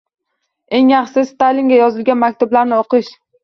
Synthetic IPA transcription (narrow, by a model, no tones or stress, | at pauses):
e̞ŋjɑχsɪst̪aliŋɡʲajɒzɪlɡʲanmakʲt̪ʰʊblaɾnɪoqʰɨʃ